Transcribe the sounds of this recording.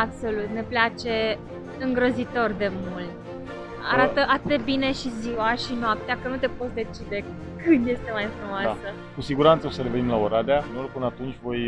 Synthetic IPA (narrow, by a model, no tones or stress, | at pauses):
abso̞lut̪ne̞plat͡ʃe̞ | ɨŋɡɾozit̪o̞rd̪e̞mult̪ | a̰ɾat̪əʔat̪ɨd̪ebine̞ʃiziwaʃinoap̚t̪eakənut̪e̞po̞t̪sʲd̪e̞t͡ʃid̪e̞ | kɨnd̪je̞st̪e̞majfɾumoaasə | kusiɡuɾant̪səo̞səɾeve̞nimlaoɾad̪eanorpɨnat̪unt͡ʃʲvo̞j